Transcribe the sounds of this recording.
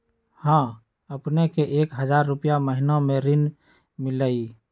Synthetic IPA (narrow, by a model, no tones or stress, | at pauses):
hãː | əpnekeʔeːkɦəd͡ʒaːɾːupijaməɦinomẽɾɪn | mɪləi